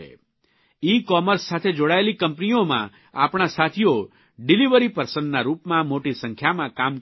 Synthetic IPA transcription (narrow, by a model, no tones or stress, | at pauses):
ḛ | ikɔməɾsːat̪ʰed͡ʒoɽaelikəmpniomã̰ | a̰pɽ̃asat̪ʰijo | ɖiliʋəɾipəɾsəɳɖnaɾupmãmoʈisə̃ŋkʰjamãkam